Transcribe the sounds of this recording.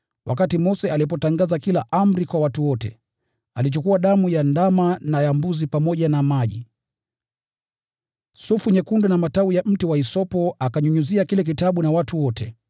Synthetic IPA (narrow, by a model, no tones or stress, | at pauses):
wʔa̰katimɔsɛalipɔtaŋɡazakilaʔam̩ɾikwawatuwɔtɛ̰ | alit͡ʃukuwaɗamujandamanajambuzipamɔʄanamaʄḭ | sufuɲɛkundɔnamataujam̩tiwaisɔpɔakaɲuɲuziakilɛk̬itaɓunawatuwɔtɛ